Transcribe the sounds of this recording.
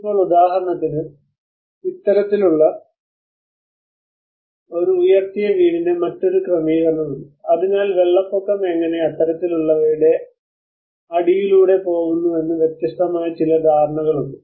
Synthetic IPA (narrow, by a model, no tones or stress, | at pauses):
ipːo̞ːɭud̪aːɦɐɾɐɳɐt̪ːinɨ | it̪ːɐɾɐt̪ːiluɭːɐ | o̞ɾuujɐrt̪ijɐʋiːɽinɨmɐtːo̞ɾukrɐmiːɣɐnːɐðuɳɖɨɐðinaːlʋe̞ɭːɐpːokːɐme̞ŋːɐne̞ɐt̪ːɐɾɐt̪ːiluɭːɐʋiɾuɽe̞ | ɐɽijiluːɽe̞po̞ːɣunːue̞nːɨʋje̞t̪jɐst̪ɐmaːjɐt͡ɕilɐd̪ʱaːɾɐɳɐɣɐɭuɳɖɨ